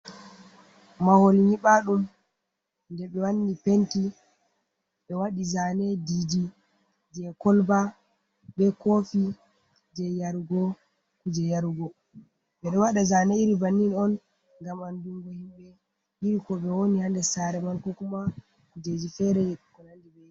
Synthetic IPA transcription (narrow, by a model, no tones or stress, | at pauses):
maholɲiɓaɗum | ndɛɓɛwanːipenti | ɓɛwaɗizanɛdid͡ʒi | d͡ʒɛkɔlba | ɓɛkofi | d͡ʒɛjaɾuɡɔ | kud͡ʒɛjaɾɡɔ | ɓɛɗɔwaɗazanɛiɾibanːinɔn | ŋɡamanduŋɡɔhimɓɛ | ʔiɾikɔɓɛwonihandɛsaɾɛmankokuma | kud͡ʒed͡ʒifɛɾɛjɗukɔnandibɛ